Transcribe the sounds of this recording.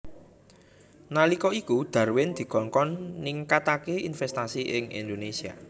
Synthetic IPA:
nalikɔikud̪̥a̤rwɪnd̪̥i̤ɡ̥ɔ̤ŋkɔnːiŋkat̪akeʔinfɛst̪asiʔɪŋḭnd̪onesia̰

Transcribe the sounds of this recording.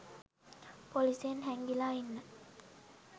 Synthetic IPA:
polisenɦɛŋɡilaːinːə

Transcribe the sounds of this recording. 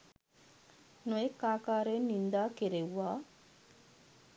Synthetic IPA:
nuekːaːkaːɾenːind̪aːkeɾewːaː

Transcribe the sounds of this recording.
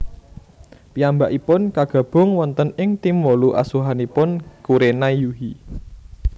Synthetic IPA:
piambaʔipʊnkaɡ̥ä̤b̥ʊ̤ŋwɔnt̪ənɪŋt̪imwoluʔa̰suɦanipʊnkuɾenaijuɦi

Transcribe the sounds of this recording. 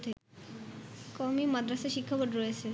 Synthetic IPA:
t̪ʰe | kɔmimad̪ɾasaʃikʰːapoɖɾojet͡ɕʰe

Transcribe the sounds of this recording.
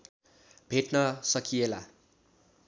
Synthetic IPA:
bʱeʈnʌsʌkiela̰

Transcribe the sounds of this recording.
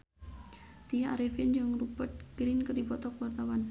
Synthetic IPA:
t̪iaa̰ɾifɪnd͡ʒəŋrupət̪̚ɡ̥ɾinkərdipɔt̪ɔkwart̪awan

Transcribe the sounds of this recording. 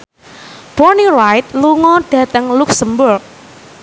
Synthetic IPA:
b̥ɔrnirajt̪̚luŋɔɖ̥ä̤t̪əŋluksəmbʊrk̚

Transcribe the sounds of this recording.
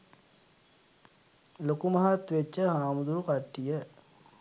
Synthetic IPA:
lokumɐɦat̪ʋet͡ʃːəɦaːmud̪uɾukaʈːijə

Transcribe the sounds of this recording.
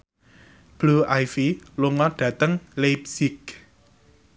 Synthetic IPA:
b̥luʔajfilʊŋɔɖ̥ä̤t̪əŋlep̚sɪk̚

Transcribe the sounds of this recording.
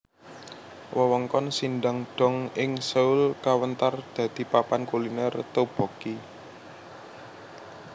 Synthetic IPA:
wʔəwɔŋkɔnsindaŋɖ̥ɔ̤ŋɪŋsəʊlkawənt̪ard̪̥ä̤d̪̥i̤papankulinɛrt̪ob̥ɔ̤ki

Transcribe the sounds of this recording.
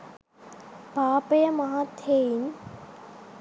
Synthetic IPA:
paːpɐjɐmɐɦaːt̪ʰːeːin

